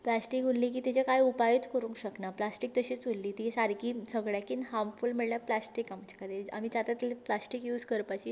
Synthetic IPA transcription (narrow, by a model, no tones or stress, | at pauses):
plasʈikunlːiːk̬iːt̪it͡ɕakajupajit̪kəɾũŋkɕəknaplasʈik̚t̪əɕiːt͡sulːiːt̪isaɾkiːsəɡɭjakinɦamfulmiɭljaplasʈikamt͡ɕakad̪ʱiɾa̰m̤it͡sat̪at̪plasʈikjuːd͡zkəɾpat͡ɕi